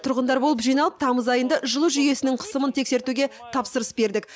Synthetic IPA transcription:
t̪ʰʊɾʁənd̪ɑɾbo̞lˠəpʒijnɑlˠəp̚t̪ʰɑməzɑjənd̪ɑʔʒəlˠuʒʏje̞sɪnɪɴqʰə̥səmənt̪ʰe̞kse̞ɾt̪uɡʲe̞ | t̪ʰɑpsəɾəsbe̞ɾd̪ɪk̚

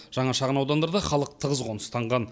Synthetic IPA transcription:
ʒ̥ɑɴɑʃɑʁənɑwd̪ɑnd̪ɑɾd̪ɑχɑlˠəq̚t̪ʰəʁəzʁonə̥st̪ʰɑɴʁɑn

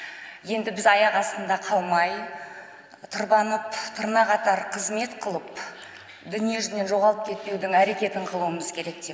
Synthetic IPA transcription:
je̞nd̪ɪbɪzɑjɑqɑst̪ənd̪ɑqʰɑlˠmɑj | t̪ʰəɾbɑnəpt̪ʰʊɾnɑqɑt̪ɑɾqʰəzme̞t̪qʰəlˠəp | d̪ʏnije̞ʒʏne̞nʒo̞ʁɑlˠəp̚kʲʰe̞t̪̚pe̞wd̪ɪŋæɾe̞kʲe̞t̪ɪɴqʰəlˠuəməzkʲʰe̞ɾe̞k̚d̪̥e̞

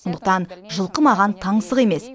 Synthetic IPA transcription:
ond̪əq̚t̪ɑnʒəlˠqəmɑʁɑnt̪ʰɑɴsəʁe̞me̞s

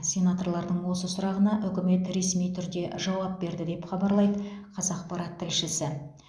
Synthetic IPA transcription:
sʲe̞nat̪o̞ɾlˠɑɾd̪əɴwo̞səsʊɾɑʁənɑʔʏkʲɪme̞t̪ɾe̞smijt̪ʰʏɾd̪e̞ʒɑwɑp̚be̞ɾd̪ɪd̪e̞pχɑbɑɾlˠɑjd̪əqʰɑzɑqpɑɾɑt̪ʰːɪlʃɪsɪ

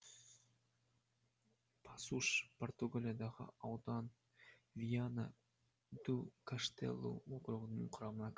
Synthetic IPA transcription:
pʰɑsuʃport̪uɡalʲijad̪ɑʁə̰ɑwd̪ɑn | vʲijana̰ | d̪ukaʂt̪ḛlˠːṵokɾuʁənɨɴqʰʊɾɑmənɑk

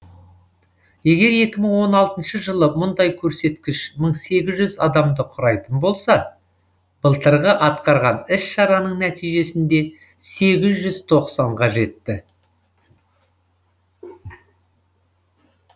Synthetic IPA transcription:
je̞ɡʲe̞ɾje̞kʲɪməɴwo̞nɑlˠt̪ənʃəʒəlˠəmʊnd̪ɑjkʲʰɵɾse̞t̪kʲɪʃməɴse̞ɡʲɪzʒʏzɑd̪ɑmd̪əqʰʊɾɑjt̪ənbo̞lˠsɑ | b̥əlˠt̪əɾʁəʔɑt̪qɑɾʁɑnɪsʃɑɾɑnəɴnæt̪ijʒe̞sɪnd̪e̞ | se̞ɡʲɪzʒʏz̥t̪ʰo̞qsɑɴqɑʒe̞t̪ːɪ

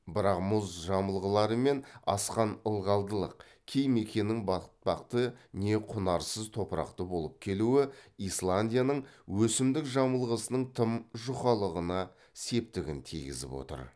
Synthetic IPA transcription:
bɪɾɑqmʊzʒɑməlˠʁəlˠɑɾəme̞nɑ̰sqɑnəlˠʁɑlˠd̪əlˠə̰q̚ | kʲʰe̞jme̞kʲe̞nɪŋbɑt̪̚pɑqt̪əne̞qʰʊnɑɾsəzt̪ʰo̞pəɾɑ̰qt̪əbo̞lˠəp̚kʲʰe̞luɪislˠanʲdʲijanəɴwɵsɪmd̪ɪkʒɑməlˠʁəsənəɴt̪ʰəmʒʊχɑlˠəʁənɑ | se̞p̚t̪ɪɡʲɪ̰nt̪ʰḭɡʲɪ̰zɪ̰pwo̰t̪ə̰ɾ

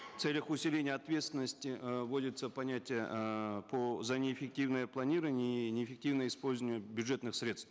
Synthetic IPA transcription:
ft̪selʲəxʊsʲɪlʲenʲɪjəɐt̪vʲe̞t̪st̪vʲɪnːəsʲtʲɪvo̞dʲɪt̪səpɐnʲatʲɪjəpʰozɐnʲɪːfʲɪk̚tʲivnəjəplˠɐnʲiɾəvənʲɪnʲɪːfʲɪk̚tʲivnəjəispo̞lʲzvənʲɪʊbʲjʊd̪ʐɛt̪nɨxsʲɾʲe̞t̪st̪

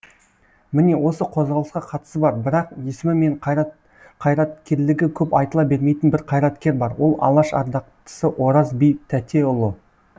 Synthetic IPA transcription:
mɪne̞wo̞səqʰo̞zʁɑlˠəsqɑqʰɑt̪ə̥səbɑɾbɪɾɑqje̞sɪmɪme̞ɴ | qʰɑjɾɑt̪̚kʲe̞ɾlɪɡʲɪkʲʰɵpɑjt̪əlˠɑbe̞ɾme̞jt̪ɪnbɪɾqʰɑjɾɑt̪kʲe̞ɾbɑɾwo̞lˠɑ̰lˠɑʃɑ̰ɾd̪ɑq̚t̪ə̥səʔwo̞ɾɑzbijt̪ʰæt̪ʰe̞ʊlˠə

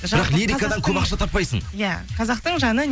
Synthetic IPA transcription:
ʒɪɾɑqliɾikad̪ɑŋkʰomɑqʃɑt̪ʰɑpːɑjsəɴjæqʰɑzɑq̚t̪əɴʒɑnən

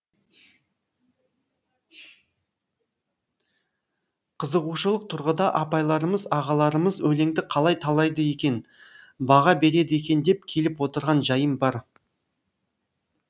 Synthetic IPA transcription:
qʰəzəʁuʃəlˠəq̚t̪ʰʊɾʁəd̪ɑʔɑpɑjlˠɑɾəməzɑʁɑlˠɑɾəməzɵle̞ŋd̪ɪqʰɑlˠɑjt̪ʰɑlˠɑjd̪əe̞kʲe̞n | bɑʁɑbe̞ɾe̞d̪ɪe̞kʲe̞nd̪e̞p̚kʲʰe̞lɪpwo̞t̪əɾʁɑnʒɑjəmbɑɾ

